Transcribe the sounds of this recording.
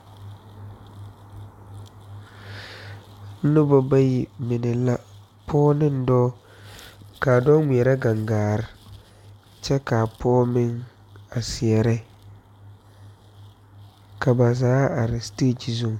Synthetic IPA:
nʊ˦bɔ˨ba˦ji˨mɪ˨nɪ˨la˦ | pʰɔː˦nɪ˦n˦dɔː˦ | ka˨dɔ˦mi˨ɛ˨ɾa˦ɡa˨ŋɡaː˨ɾɪ˦ | t͡ʃɛ˦ka˨pʰɔː˦mɪ˦ŋ | a˨sɪ˨ɛ˨ɾɪ˦ | kʰa˨ba˨zaː˨˦a˨ɾɪ˨steː˦t͡ʃi˨zo˦˨ŋ

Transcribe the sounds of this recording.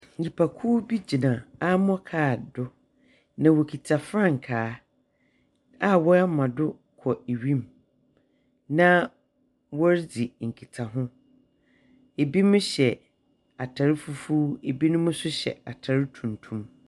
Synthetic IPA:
ɲ̩˨d͡ʑi˨pʰa˨kʰuː˦bi˦d͡ʑi˨nã˨a˦mɔ̃˦kʰaː˦˨dʊ˦ | nã˨wo˨kʰi˨tʰa˨fɾã˦ŋ̩˨kʰaː˨˦ | a˦wɔ˦a˦mã˨dʊ˦ | kʰɔ˨e˨ɥĩ˦m | nã˦ | wɔ˦ɾd͡zi˨ŋ̩˨kʰi˨tʰa˨ɦʊ̃˦ | e˨bi˦mʊ̃˦ɕɛ˨ | a˨tʰa˨ɾɪ˦fu˦fuː˦e˨bi˦nʊ̃˦mʊ̃˦sʊ˦ɕɛ̰˨a˨tʰa˨ɾɪ˦tʰũ˨ntʰũ˦m

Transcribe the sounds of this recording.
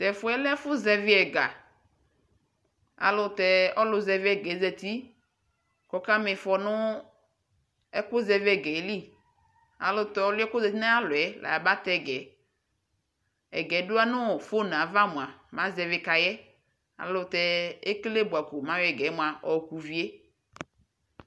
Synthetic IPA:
t̪ɛ˨fʊ˦ɛ˦lɛ˦fʊ˦zɛ˨vɪ˦ɛ˨ɡa˨ | a̰˨lʊ˨t̪ɛ˨ɔ˦lʊ˨zɛ˨vɪ˦ɛ˨ɡɛ˨˦zɛ˨t̪i˦ | kɔ˦ka˦mɪ˨fɔ˨nʊ̃˦ | ɛ˦kʊ˦zɛ˨vɛ˨ɡɛ˨˦li˦ | a̰˨lʊ˦t̪ɛ˨ɔ˦lʊ˦ɛ˦kʊ˦zɛ˨t̪i˦na˦a˦lʊ˨ɛ˨la̰˨a˨ba˦t̪ɛ˦˨ɡɛ˨ | ɛ̰˨ɡɛ˨˦dʊ˦a˦nʊ̃˦ɔ˨fo˦n˨ã˨˦va˦mũ˨a˨mã˨˦zɛ˨vɪ˨˦ka˨jɛ˦ | a̰˨lʊ˨t̪ɛ˦e˦kle˦bu˨a˨kʊ˨mã˦wɛ˨ɡɛ˨˦mʊ̃˨a˨ɔ˨ku˨vi˦e˦

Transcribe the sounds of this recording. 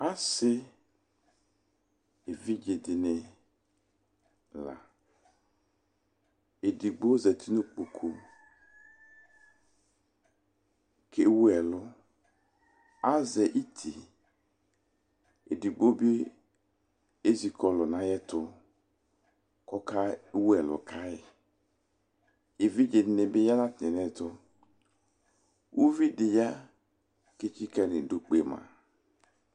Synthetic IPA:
a˦sɪ˦ | e˨vi˦d͡ʒe˨dɪ˨nɪ˨ | la̰˨ | e˨di˨ɡ͡bo˦zɛ˨t̪ʰi˦no˦k͡po˨kʰo˨ | kʰe˨wu˦ɛ˨lʊ˦ | a˦zɛ˨ʔi˦tʰi˨ | e˨di˨ɡ͡bo˦bɪ˦ | e˦zi˨kɔ˨lʊ˨nã˨jɛ˦tʊ˦ | kɔ˦ka˦wu˦ɛ˨lʊ̰˨kʰa˦ɪ˨ | e˨vi˦d͡ʒɪ˨˦nɪ̃˨bɪ˦ja˦nã˦tɛ˨nɛ˨tʊ˦ | wʔu˦vi˦dɪ˨ja˦ | kɪ˦t͡ʃi˦kɛ˨nɪ˨do˨k͡pe˨mã̰˨

